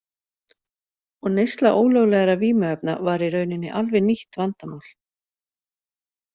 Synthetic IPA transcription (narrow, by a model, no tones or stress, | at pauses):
ɔɣnejst̪laʔoːwlœɣlɛɣaɾaviːmʏhœp̚na̰vaɾiɾœːɥnɪnːɪʔalvɛniht̪vant̪amaːwl̥